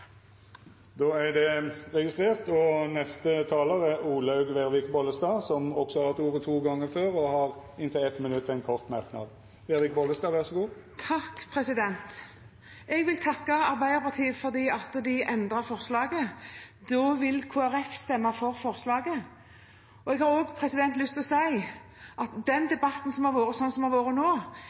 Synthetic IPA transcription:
d̪oːæd̪ɛʁɛɡɪst̪ʁeːʁt̪ɔnɛst̪ət̪ʰɑːləɾəuːləɑʉɡʋeʁʋɪkbɔlːəst̪ɑːsɔmɔksɔhɑɛt̪uːʁət̪ʰuːɡɑŋːəɾføːʁɔhɑʁɪnt̪əɛt̪ːmɪnʉt̪ːɛɪnkʰɔʁt̪mɑʁknɑ̰d̪ | ʋɛːɾʋɪk̚bɔləst̪ɑːʋæʁsɔɡuː | t̪ʰɑkːpʰʁɛsɪd̪ɛnt̪ | ɛɡʋɪlt̪ʰɑkːɑɑɾbæɪd̪əɾpɑt̪ʰiːəfɔʁd̪iːɑt̪ːd̪ɪʔɛnd̪ʁɑfɔʁslɑːɡəd̪ɔʋɪlkʰoːæɾɛfst̪ɛmːɑfɔʁfɔɾslɑːɡə | ɔɛɡhɑɾoːɡpʰʁɛsɪd̪ɛnt̪lʏst̪ɔsæɪʔɑt̪d̪ɛnd̪ɛbɑt̪n̩sɔmhɑɾʋoːɾəsɔnːsɔmhɑɾʋoːɾənoː

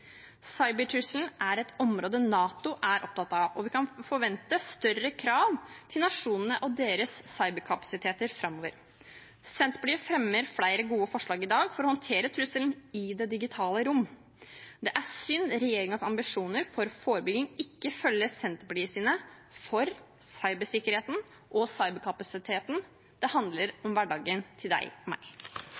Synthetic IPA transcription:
sɑɪbəʈʰɾʉsln̩ʔæɾɛt̪ɔmɾoːd̪ənɑːt̪ʊʔæɾʔɔp̚t̪ʰɑt̪ːɑɔʋɪkʰɑnfɔɾʋɛnt̪əst̪œɾəkʰɾɑːʋt̪ʰɪlnɑʂuːnənəʔɔd̪eːɾəsːɑɪbəɾkʰɑpɑ̥sɪt̪ʰeːt̪əɾfɾɑmːoːʋəɾ | sɛnt̪bliːəfɾɛmːəɾfɽæɪɾəɡuːəfɔʂɭɑːɡɪd̪ɑːɡfɔɾɔhɔnt̪ʰeːɾət̪ʰɾʉsəlnɪd̪ɛd̪ɪɡɪt̪ʰɑːləɾʊmː | d̪ɛʔæsʏnːɾɛjeːɾɪŋəsɑmbɪʂuːnəɾfɔɾfoːɾəbʏɡ̪ɪŋɪkːəfœlːəsɛnt̪blyːəsiːnəfɔɾ | sɑɪbəʂɪkəɾheːt̪n̩ | ʔɔsɑɪbəɾkʰɑpɑsɪt̪ʰeːt̪n | d̪̥ɛhɑnd̪ləɾɔmʋæɖɑːɡənt̪ʰɪld̪æ̰ɪɔmæ̰ɪ

